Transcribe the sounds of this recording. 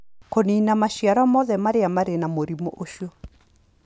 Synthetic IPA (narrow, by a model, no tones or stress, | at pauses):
koniːnamaɕiaɾɔmɔðɛmaɾeamaɾenamoɾimoʔoʃiɔ